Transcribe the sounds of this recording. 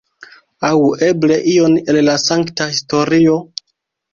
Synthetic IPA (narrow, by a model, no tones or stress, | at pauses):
awe̞ble̞ʔio̞nelːasaŋktahisto̞ɾio̞